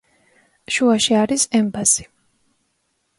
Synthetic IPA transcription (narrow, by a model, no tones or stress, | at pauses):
ʃuaʃiaɾisɛmbasi̥